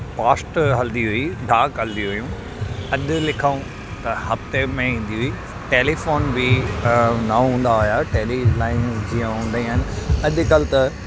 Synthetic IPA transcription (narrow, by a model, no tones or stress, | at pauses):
paːsʈɦɐld̪iɦʊiɖʱaːkɦɐld̪iɦʊjũ | ɐʄʊlɪkʰəũ | t̪ɐhɐft̪emẽĩːn̆d̪iɦʊi | ʈeːlifoːnbi | nɐɦũːn̆d̪aɦʊjaʈeːlilaːɪnd͡ʑiːãɦũːnd̪aĩan̆ɐʄkɐlɪt̪ɐ